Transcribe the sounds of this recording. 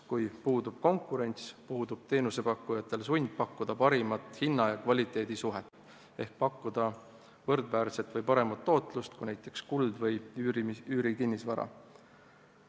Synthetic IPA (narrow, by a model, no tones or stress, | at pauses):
kujpuːd̪ub̥ko̞ŋkːˑuɾe̞nʲt̪spuːd̪ub̥̚t̪e̞ːnuse̞pɑkːujɑt̪ːˑe̞lsunʲd̪̥̚pɑkːud̪̥ɑpɑɾimɑt̪ˑhinːɑjɑkvɑlʲit̪ˑe̞ːd̪̥isuɦet̪ː | e̞hk̚pɑkːud̪̥ɑ | vɤrd̪væːrse̞t̪vɤjpɑɾe̞mɑt̪ːo̞ːt̪ˑlust̪kunæjt̪ːˑe̞kskuld̪vɤj | yːɾikinːisvɑɾɑ̰